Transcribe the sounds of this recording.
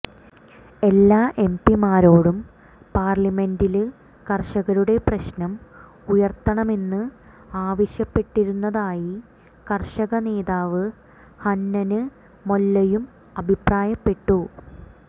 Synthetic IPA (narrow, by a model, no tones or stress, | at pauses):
e̞lːaːʔe̞mpimaːɾo̞ːɽum | paːrlime̞ndilɨ | kɐrʂɐɣɐɾuɽe̞prɐɕnɐm | ujɐrt̪ːɐɳɐmenːɨ | aːʋɐɕjɐpːe̞ʈːiɾunːɐðaːji | kɐrʂɐɣɐne̞ːðaːʋɨ | hɐnːɐnɨː | o̞lːɐjum | ɐbʱipraːjɐpːe̞ʈːu